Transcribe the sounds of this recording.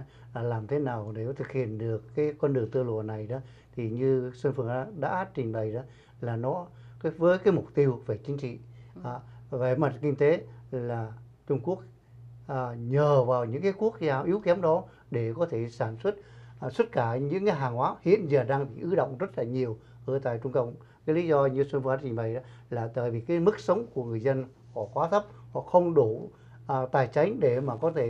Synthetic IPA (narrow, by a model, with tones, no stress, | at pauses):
laː˨˩laː˨˩mt̪ʰe˨˦naː˨˩wne˨˧˩wt̪ʰɨ˨˩k̚hḭ˧˨ənɗɨ˨˩əkːaː˨˦jkwə˧nɗɨ˨əŋt̪ɨ˧əlu˨˩˨əna˨˩jɗɔ˨˦ | t̪ʰi˨˩ɲɨ˧səː˧nfɨ˨˩əŋa˨˦ɗa̰ː˧˥t͡ɕï˨˩ŋ̟ɓə˨˩jɗɔ˨˦ | laː˨˩nɔ˨˦˨ | vəː˨˦jkaː˨˦jmʊ˨˩k͡p̚t̪i˧əwve˨˩t͡ɕï˨˦ŋ̟t͡ɕḭ˧˨˩ | ve˨˩mə˨˩t̚kï˧ŋ̟t̪e˨˦laː˨˩ | t͡ɕʊ˧ŋ͡mku˦˥ək̚ | ʔːɲəː˨˩vaː˨˩wɲɨ̰˧˥ŋkaː˨˦jku˦˥ək̚zaː˧ʔi˨˦wkɛ˨˦mɗɔ˨˦ | ɗe˧˩kɔ˨˦t̪ʰe˧˩saː˧˩nswə˦˥t̚swə˦˥t̚kaː˧˩ɲɨ̰˧˥ŋkaː˨˦jɦaː˨˩ŋhwaː˨˦hḭ˧˨ənzaː˨˩ɗaː˧ŋɓḭ˨˩ʔɨ˨˦ɗə̰˧˨wŋ͡mzə˦˥t̚laː˨˩ɲi˨˩əw | ʔə˧˩t̪a̰ː˧˨jt͡ɕʊ˧ŋ͡mkə̰˧˨wŋ͡m | kaː˨˦jli˨˦zɔ˧ɲɨ˧sə˧nkwaː˨˦˥t͡ɕï˨˩ŋ̟ɓa̰˨jɗ | laː˨˩t̪ə̰ː˧˨jvi˨˩kaː˨˦jmɨ˦˥k̚sə˨˦wŋ͡mku˧˩əŋɨ˨˩əjzə˧n | hɔ˧˩kwaː˨˦t̪ʰə˦˥p̚hɔ̰˧˨xə˧wŋ͡mɗu˧˩˨ | t̪aː˨˩jt͡ɕa˨˦jŋ̟ɗe˧˩maː˨˩kɔ˨˦t̪ʰe˧˩